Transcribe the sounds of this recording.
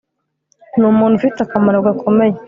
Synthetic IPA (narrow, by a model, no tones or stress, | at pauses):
numuːn̤ufitakamaɾaɡakʰomeɲa